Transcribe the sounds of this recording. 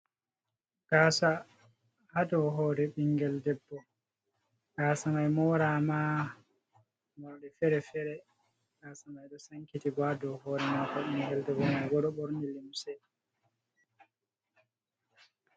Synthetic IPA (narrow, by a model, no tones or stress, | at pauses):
ɡ̥aːsa | hadɔɦoːɾɛɓiŋɡɛldɛbːɔ | ɡ̥aːsamajmɔɾama | maɗɛfɛɾɛfɛɾɛ | ɡasamajɗɔsaŋkitiɡɔaadɔhoːɾɛmakɔɓiŋɡɛldɛbːɔmajɡɔɗɔɓɔɾnilimsɛ